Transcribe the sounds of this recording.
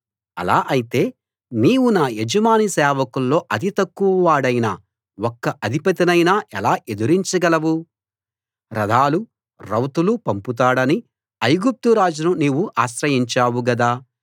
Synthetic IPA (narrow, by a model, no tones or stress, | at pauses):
ɐ̰laːʔɐjit̪e̞ː | niːwunaːed͡ʒɐmaːnisɛːʋɐkulːo̞ːʔɐd̪it̪ɐkːuʋɐʋaːɽɐjna | wɔkːɐʔɐd̪ʱipɐt̪inɐjnaːʔɛlaːʔe̞d̪uɾiɲt͡ʃɐɡɐlɐwu | ɾɐd̪ʱaːlu | ɾɐwt̪ulupɐmput̪̬aːɽɐni | ɐjɡup̚t̪uɾaːd͡ʒununiːwuʔaːʃɾɐjiɲt͡ʃaːwuɡɐd̪aː